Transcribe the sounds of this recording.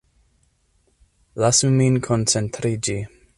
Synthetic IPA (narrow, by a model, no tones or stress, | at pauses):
lasumĩnkʰont͡sent̪ɾid͡ʒi